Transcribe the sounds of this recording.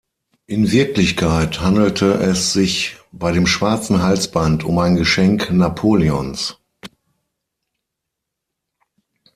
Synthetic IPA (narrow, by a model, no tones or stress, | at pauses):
ʔɪnvɪɐklɪçkʰaɪthandl̩tʰəʔɛsz̥ɪçb̥aɪɾeːmʃv̥aɐt͡sn̩ɦalt͡sb̥antʊmaɪnɡəʃɛŋknapʰoːliɔns